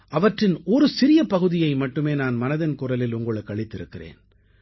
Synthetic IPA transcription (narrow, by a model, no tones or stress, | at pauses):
ʔɐʋɐʈrɪnɔɾɯsɪɾɪjɐpɐɣɯðɪjɐɪmɐʈːɯmeːnaːnmɐnɐðɐnkʊrɐlɪlʊŋɡɐɭɯkːɐɭɪt̪ːɪɾɯkːɪrḛːn